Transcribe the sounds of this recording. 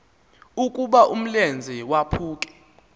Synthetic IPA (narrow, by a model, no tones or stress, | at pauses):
ukʼuɓaʔum̩lend͡zʱiwapʰuːk̬ʼɛ̥